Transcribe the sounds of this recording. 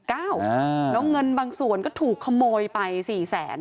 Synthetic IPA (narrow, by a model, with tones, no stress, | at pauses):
kaː˥˩wlɛ˦˥ŋɤ˧nbaː˧ŋsu˨˩ənkɔː˥˩t̪ʰuː˨˩kʰːa˧moː˧jpa˧jsiː˨˩sɛː˩˦n